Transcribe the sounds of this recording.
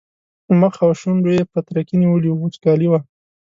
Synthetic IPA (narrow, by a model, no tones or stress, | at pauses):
məxawʃuɳɖojepət̪ɾakiniwəliwuut͡ʃkɑliwa